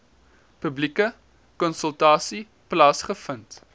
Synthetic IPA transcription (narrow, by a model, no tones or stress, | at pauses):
pʉblikə | kɔnsəlˠtɑːsi | plɑːsχəfənt